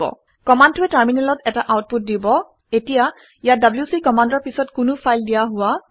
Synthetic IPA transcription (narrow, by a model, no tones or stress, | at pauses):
ɔ̰ | kɔmandtʊɛtaɹminɛlɔtɛtaʔawt̚put̚dibɔ | etija | ijadabljusikɔmandɔɹpisɔtkʊnʊpʰajldijaɦʊwa